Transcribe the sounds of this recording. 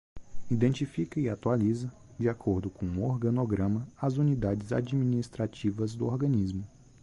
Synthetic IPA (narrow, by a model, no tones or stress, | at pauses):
id̪ẽnt͡ʃifikɐiat̪ualizɐ | d͡ʒiakʰoɾd̪ʊkõũoɾɡɐ̃noɡɾɐ̃mɐazunid̪ad͡ʒɪza̰d͡ʒiminist̪ɾat͡ʃivɐzd̪ʊoɾɡɐ̃nizmʊ